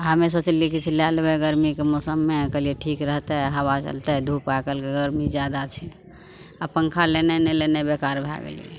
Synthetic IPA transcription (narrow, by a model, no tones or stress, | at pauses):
ɦəmes̬ot͡ʃelikit͡ʃʰilalbeɡəɾmikemɔsəmːekəlieʈʰikɾəɦt̪ɛɦəβat͡ʃə̰lt̪ɛd̪ʱupakəlkeɡəɾmid͡ʒjad̪at͡ʃʰɛ | apəŋkʰalenenelenebekaɾbʱa̰ɡḛlḭe